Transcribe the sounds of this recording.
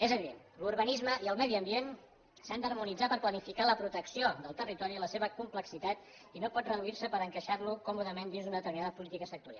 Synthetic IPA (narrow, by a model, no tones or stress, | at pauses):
ɛzəβiðḛn | luɾβənizməʔiəlˠmɛðiəmbien | sand̪ərmunid͡zapəɾplənifikaləpɾut̪əksiod̪əlˠt̪ərit̪ɔɾiələseβəkumpləksit̪at̪ | inopɔt̪rəðuiɾsəpəɾəŋkəʃarlukɔmuðəmend̪inzðunəðət̪əɾminaðəpulit̪ikəsək̚t̪uɾia̰lˠ